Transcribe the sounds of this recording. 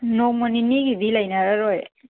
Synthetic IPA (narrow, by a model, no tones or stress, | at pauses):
nɔmɔniniɡidilajnaɾaɾɔj